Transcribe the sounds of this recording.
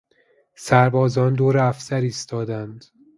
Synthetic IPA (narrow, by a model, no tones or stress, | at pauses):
sæɾbɒːzɒːnd̪oːɾeæfsæɾiːst̪ɒːd̪ænd̪